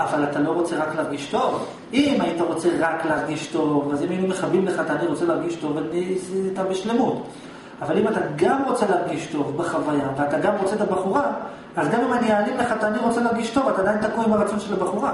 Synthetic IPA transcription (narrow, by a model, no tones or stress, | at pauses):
avalatalo̞ʁo̞t͡se̞ʁakleaʁɡiʃto̞v | imaitaʁo̞t͡se̞ʁakleaʁɡiʃto̞vazimajinumeχavimleχat̪aːniʁot͡se̞leaʁɡiʃto̞vanit̪abeʃle̞mut | avalimataɡamʁo̞t͡se̞leaʁɡiʃto̞vbeχavajaveat̪aɡamʁo̞t͡se̞tabaχuʁa | azɡamimanijaːlimleχataːniʁo̞t͡se̞leaʁɡiʃto̞vatadajint̪akuimaʁat͡so̞nʃelabaχuʁa